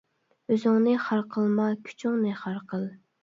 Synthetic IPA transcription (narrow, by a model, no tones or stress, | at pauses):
øzɪŋnɨχɑɾqʰəlˠmɑkʲʰy̥t͡ʃʰyŋnɨχɑɾqʰəlˠ